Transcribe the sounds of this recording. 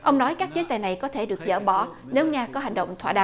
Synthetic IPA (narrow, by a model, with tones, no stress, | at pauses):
ʔə˧wŋ͡mnɔ˨˦jkaː˦˥k̚t͡ɕi˨˦ət̪aː˧˨jna˨˩jkɔ˨˦t̪ʰe˧˩ɗɨ˨˩ək̚zə̰ː˧˩ɓɔ˧˩ | ne˨˦wŋaː˧kɔ˨˦ɦa˨˩jŋ̟ɗə̰˧˨wŋ͡mt̪ʰwa̰ː˧˨ɗa̰ː˧˨